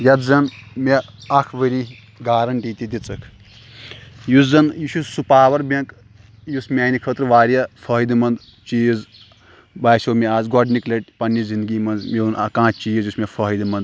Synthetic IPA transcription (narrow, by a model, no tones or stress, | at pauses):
jɐt̪zɐnmeɐkʰʋəɾi | ɡaːɾɐnʈiːt̪id̪it͡sɐkʰ | juzɐnjuʃussupaːʋɐɾbɐ̃ŋk | jusmʲaːnikʰət̪ɾʋaːɾjɐfʰɐɦid̪imɐnd̪ | t͡ʃijz | baːjsoːmʲeaːzɡɔɖniklʲɐʈpɐnːizind̪ɡiːmɐnzmeunkãːt͡ʃijizjusmʲefʰɐɦjd̪imɐnd̪